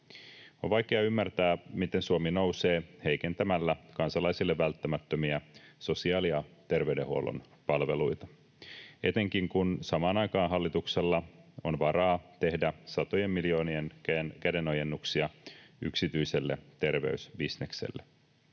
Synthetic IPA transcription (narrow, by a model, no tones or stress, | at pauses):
onʋɑjkeɑymːært̪æːmit̪e̞nsuomino̞wse̞ːhe̞jke̞nt̪æmælːækɑnsɑlɑjsilːeʋːælt̪ːæmæt̪ːømiæso̞siɑːliɑt̪e̞rʋe̞yde̞huo̰lo̰n | pɑlʋe̞̰lujt̪ɑ̥ | e̞t̪e̞ŋkiŋkunsɑmɑːnɑjkɑːnɦɑlːit̪ukse̞lːɑo̞̰nʋɑɾɑːt̪e̞hdæsɑt̪ojemːiljo̞ːnienkkæde̞no̞je̞nːuksiɑy̰ksit̪yiselːe̞̰t̪e̞rʋe̞̰ysbisne̞kse̞̰lːe